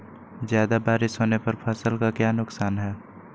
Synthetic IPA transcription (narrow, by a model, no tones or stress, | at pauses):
zjaːd̪abaːɾɪsɦoːnepɐɾpʰasəlkakjaːnʊksaːnɦɛː